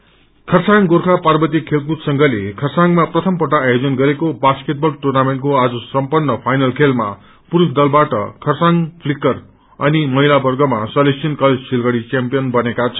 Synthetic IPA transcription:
kʰʌrsaŋɡorkʰaparbʌt̪̬ikʰelkut̪sʌŋɡʌlekʰʌrsaŋmaprʌt̪ʰʌmpʌʈaːjod͡zʌnɡʌɾekobaskeʈ̚bʌlʈurnameɳʈkoad͡zʌsʌmpʌnːʌpʰajnʌlkʰelma̰ | puɾusd̪ʌlbaʈʌ̰kʰʌrsaŋpʰlikʌr | ʌnimʌɦilabʌrɡʌmasʌlesinkʌled͡zsilɡʌɽit͡sampijʌnbʌnekat͡sʰʌ̥

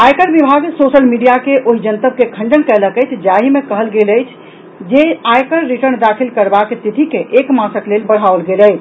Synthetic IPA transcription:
ajkəɾbibʱaɡsosəlmiɖijakeʔoɦid͡ʒənt̪əb̚kekʰə̃ɳɖənkɛləkəjt͡ʃʰd͡ʒaɦimekəɦəlɡeləjt͡ʃʰ | d͡ʒeajkəɾːiʈəɾnd̪akʰilkəɾbakt̪it̪ikeʔekmasəklelbəɽ̤ɦaolɡeləjʰ

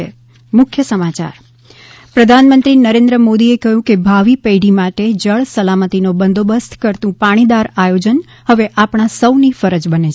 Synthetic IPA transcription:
e | mʊkʰjəsəmat͡ʃa̰ɾ | pɾəd̪ʱanmənt̪ɾinəɾẽnd̪ɾəmod̪iekəɦjũkebʱaʋipejɽimaʈed͡ʒəɭsəlamət̪inobənd̪ʱobəst̪ʰkəɾt̪ũpaɽ̃id̪aɾajod͡ʒən | həʋeʔapɳ̃asəwnifəɾəd͡ʒbəne

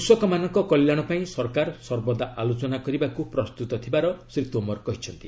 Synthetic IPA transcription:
usɔkɔmanɔŋkɔkɔljaɽ̃ɔpaĩsɔɾkaɾsɔɾbɔd̪aʔalot͡ʃɔnakɔɾibakupɾɔst̪ut̪ɔt̪ʰibaɾɔsɾit̪ombɔɾkɔɦit͡ʃʰɔnt̪i

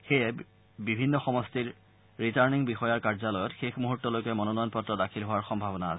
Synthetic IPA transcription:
xejɛ | bibʱinːɔxɔmɔstiɹː | itaɹniŋbixɔjaɹkaɹzalɔjɔtxexmuɦutːɔlojkɛmɔnɔnɔjɔnpɔtɹɔdakʰilɦʊwaɹxɔmbʱabɔna̰ːs

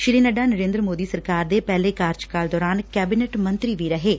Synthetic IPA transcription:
ʃɪɾiːnəɖaːnəɾẽːnd̪ɾəmoːd̪iːsəɾkaːɾd̪eːpɛːleːkaːɾt͡ʃkaːld̪ɔːɾaːnkɛːbɪneʈmə̃nt̪ɾiːʋiːɾəɦeː

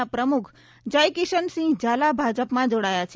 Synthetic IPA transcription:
apɾəmukʰ | d͡ʒəjkɪʃənsĩŋɡd͡ʒalabʱad͡ʒəpmãd͡ʒoɽajat͡ʃʰ

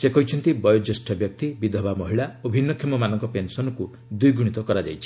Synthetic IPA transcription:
sekɔjt͡ʃʰɔnt̪ibɔjod͡ʒesʈʰɔbjɔk̚t̪ibid̪ʱɔbamɔɦiɭaobʱinːɔkʰemɔmanɔŋkɔpensɔnɔku | d̪ujɡuɽ̃it̪ɔkɔɾad͡ʒa̰jt͡ʃʰi̥

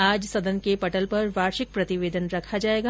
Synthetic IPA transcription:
aːd͡ʒsɐd̪ənkepɐʈəlpɐɾʋaːɾʃɪk̚pɾɐt̪ɪʋeːd̪ənɾɐkʰad͡ʒaːeːɡaː

